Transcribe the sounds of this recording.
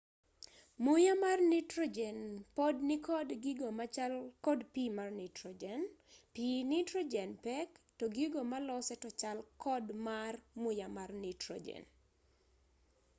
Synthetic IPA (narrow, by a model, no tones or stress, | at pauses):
mʊjamarnɪtɾod͡ʒɛnpodnɪkɔdɡiɡomaalkɔdpimarnɪtɾɔd͡ʒɛnpinɪtɾod͡ʒɛnpɛktɔɡiɡomalɔsɛtɔt͡ʃalkʰɔdmarmʊjamarnɪtɾɔ̰d͡ʒɛ̰n